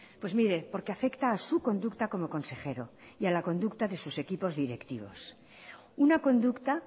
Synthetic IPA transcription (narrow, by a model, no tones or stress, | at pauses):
pwe̞zmiɾe̞po̞ɾke̞afe̞kt̪aːsuko̞nd̪ukt̪ako̞mo̞ko̞nse̞χe̞ɾo̞̰ | ialako̞nd̪ukt̪aðe̞suse̞kipo̞zðiɾe̞kt̪iβ̞o̞̰s | unako̞nd̪ukt̪a